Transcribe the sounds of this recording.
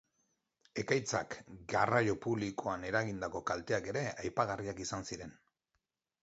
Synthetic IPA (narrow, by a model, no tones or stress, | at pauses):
e̞kajt͡sa̰kɡarajo̞puβliko̞ane̞ɾaɣind̪ako̞kalt̪e̞ake̞ɾe̞ajpaɣ̞ariakisansiɾe̞n